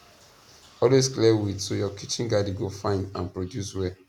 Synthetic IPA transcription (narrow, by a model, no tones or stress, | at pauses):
ɔlwesklɛwitsojɔkʰit͡ʃĩnɡadiɡofãɪ̃ndãnpɹodjuswɛ